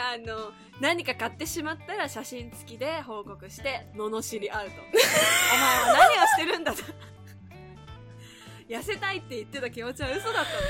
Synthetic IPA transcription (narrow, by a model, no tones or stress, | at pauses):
ano̞ | naɲ̟ikakat̪ːe̞ɕimat̪ːaɾaɕaɕĩnt͡sɨ̥kʲid̪e̞ɦo̞ːko̞kɯ̟ɕi̥t̪e̞mo̞no̞ɕiɾʲiʔaɯ̟t̪o̞amanaɲ̟ʲio̞ɕi̥t̪e̞ɾɯ̟̃nd̪at̪ | jase̞t̪ait̪ːe̞it̪ːe̞t̪akʲimot͡ɕiβaɯ̟so̞d̪at̪ːa